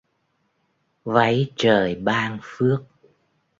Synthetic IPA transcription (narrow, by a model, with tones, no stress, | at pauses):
va˨˦jt͡ɕəː˨˩jɓaː˧nfɨ˦˥ək̚